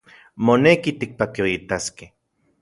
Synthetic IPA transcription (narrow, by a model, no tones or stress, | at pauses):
monekit̪ik̚pakioit̪askeh